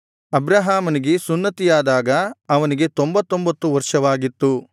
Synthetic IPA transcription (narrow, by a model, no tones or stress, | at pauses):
ɐbɾaɦaːmɐniɡe̞sunːɐt̪ijaːd̪aːɡɐɐʋɐniɡe̞t̪ombɐt̪ːo̞mbɐt̪ːuʋɐɾʂɐʋaːɡit̪ːu